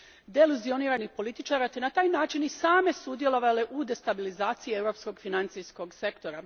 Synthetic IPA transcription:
d̪eluzio̞niːɾanixpo̞lit̪it͡ʃaːɾat̪enat̪aːjnaːt͡ʃinisaːme̞sud̪je̞lˠo̞ʋaleʔud̪e̞st̪abilizaːt̪sijievɾo̞psko̞ɡfinant̪sijsko̞ɡse̞kt̪o̞ɾa

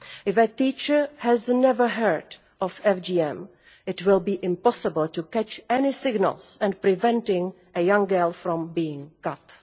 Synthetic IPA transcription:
ɪfətiːt͡ʃə˞hɛznɛvə˞ɦə˞d | ʔɔfɛfd͡ʒiːɛ̃m | ɪtwɪlˠbiːʔɪ̃mpɔsɪbəlˠtukɛt͡ʃɛnɪsɪɡnə̰lˠsɛ̃npɾɪvɛ̃ntɪ̃ŋ | ʔəjãŋɡɜ˞lfɾɔ̃mbiːɪ̃ŋkat

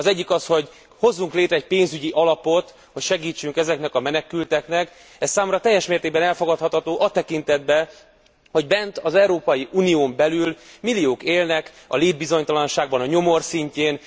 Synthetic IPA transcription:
ɒzɛɟːikɒsho̞ɟ | ho̞zːuŋkleːt̪ɾɛɛc̚peːnzyɟiʔɒlɒpo̞t̪ | ho̞cʃɛɡiːt͡ʃːyŋkɛzɛknɛkɒmɛnɛkylt̪ɛknɛk | ɛsːaːmumɾɒt̪ɛjːɛʃmeːrt̪eːɡ̚bɛnɛlfo̞ɡɒt̪hɒt̪hɒt̪oːʔɒt̪ɛkint̪ɛd̪bɛ | ho̞ɟbɛnt̪ɒzɛuɾoːpɒjiʔuːnijoːmbɛlylmilːioːkeːlnɛk | ɒ̰leːd̪̚bizo̞ɲt̪ɒlɒnʃaːɡ̚bɒnɒɲo̞mo̞rsiɲceːn

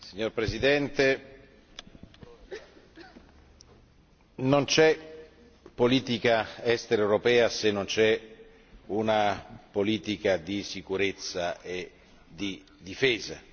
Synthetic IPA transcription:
siɲːorpɾesid̪ɛnt̪e | nont͡ʃɛ | pːoliːt̪ikaɛst̪eɾaewɾopɛːasenːont͡ʃɛ | unapoliːt̪ikad̪isikuɾet̪sːaʔe | d̪i | d̪ifɛːza

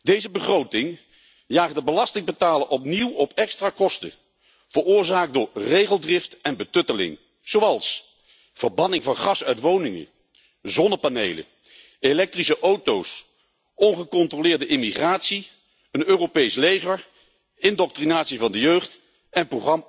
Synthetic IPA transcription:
dejzəbəχrowtɪŋ | jaːχədəbəlɑstɪŋbətaːlənʔɔpniwɔpɛkstraːkɔstə̰ | v̥əɹʊːɹzaːk̚dʊːɹrejχəlˠdrɪftɛnbətɵtəlɪ̰ŋ | z̥owɑlˠs | v̥əɹbɑnɪŋvɑnχɑsœɥtʋownɪŋə̰ | zɔnəpanejlə̰ | elɛk̚trisəʔowtows | ɔnχəkɔntrolɪːɹdəʔɪmiχraːtsi | ənøːropejslejχəɹ | ɪndɔk̚trinaːtsivɑndəjøɥχt | ɛnproχɑm

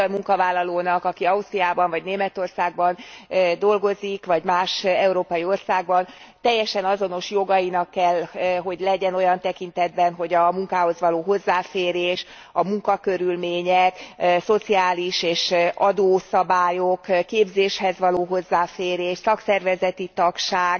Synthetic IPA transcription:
jmuŋkɒvaːlːɒloːnɒkɒkiɒust̪riaːbɒɱvɒɟneːmɛt̪o̞rsaːɡ̚bɒnd̪o̞lɡo̞zikʋɒɟmaːʃɛuɾoːpɒjio̞rsaːɡbɒn | t̪ɛjːɛʃɛnɒzo̞no̞ʃjo̞ɡɒjinɒkːɛlːɦo̞ɟlɛɟɛno̞jɒnt̪ɛkint̪ɛd̪̚bɛnɦo̞ɟɒmuŋkaːɦo̞zʋɒloːɦo̞zːaːfeːɾeːʃ | ɒmuŋkɒkøɾylmeːɲɛkso̞t̪siaːliʃeːʃʔɒd̪oːsɒbaːjokːeːbzeːʃhɛzʋɒloːɦo̞zːaːfeːɾeːʃsɒksɛrvɛzɛt̪it̪ɒkʃaːɡ

